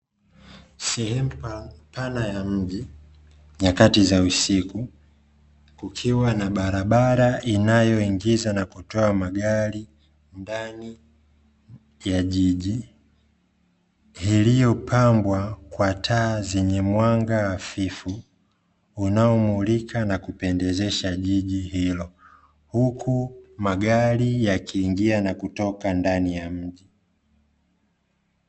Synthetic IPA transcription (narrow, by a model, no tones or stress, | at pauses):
sɛhɛm̩panajam̩ʄi | ɲakatizausiku | kukʰiwanaɓaɾaɓaɾaʔinajɔiŋɡizanakutɔamaɡaɾi | ndani | jaʄiʄi | hilijɔpʰambwakwatʰaːzɛɲɛmwaŋɡaːfifu | unaɔmulikʰanakupɛndɛzɛʃaʄiʄihilɔ | hukʰumaɡaɾijakʰiːŋɡianakutɔkandanijam̩ʄi